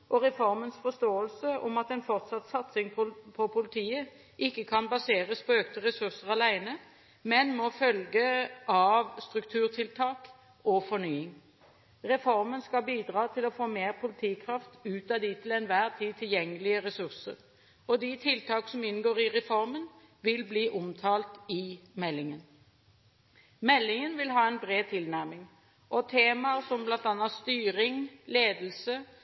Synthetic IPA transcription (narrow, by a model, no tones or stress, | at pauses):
ʔɔʁɛfɔɾmənsfɔst̪oːəlsəɔmɑt̪ɛnfɔʁt̪sɑt̪ːsɑt̪sɪŋppʰɔpʰʊlɪt̪ʰiːə | ʔɪkːəkʰɑnbɑseːʁəspʰɔøːkt̪əʁɛsʉsəʁɑlæɪnə | mɛnmɔfœlɡəʔɑʋst̪ɾʉkt̪ʰʉːʁt̪ʰɪlt̪ʰɑːk | ɔfɔɾnyːɪŋ | ʁɛfɔɾmənskɑlbiːd̪ʁɑːt̪ʰɪlɔfoːmeːʁpʰʊlɪt̪ʰiːkʰʁɑft̪ʉːt̪ɑd̪it̪ʰɪlɛnʋæːʁt̪ʰiːt̪ʰɪljɛŋːəlɪəʁɛsʉʁsəʁ | ɔd̪it̪ʰɪlt̪ʰɑːksɔmɪnːɡoːʁɪʁɛfɔɾmən | ʋɪlbliːʔʊmt̪ʰɑːlt̪ɪmɛlːɪŋən | mɛlːɪŋənʋɪlɦɑːɛnbʁeːt̪ʰɪlnæʁmɪŋ | ʔɔt̪ʰeːmɑsɔmblɑnt̪ɑnːɑst̪yːɾɪŋleːd̪lsə